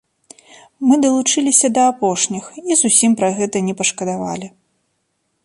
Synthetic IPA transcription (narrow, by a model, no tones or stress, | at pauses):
mɨd̪ɐlˠut͡ʂɨlʲisʲɐd̪ɐapɔʂnʲixizusʲimpɾaɣɛt̪ɐnʲɛpɐʂkɐd̪ava̰lʲi